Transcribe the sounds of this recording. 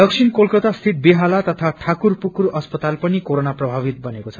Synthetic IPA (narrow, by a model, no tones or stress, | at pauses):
ɖʌksʰinkolkʌt̪ast̪ʰit̪̚biɦalat̪ʌt̪ʰaʈʰakurpukuɾʌspʌt̪alpʌnikoɾonaprʌbʱabit̪̚bʌnekot͡sʰʌ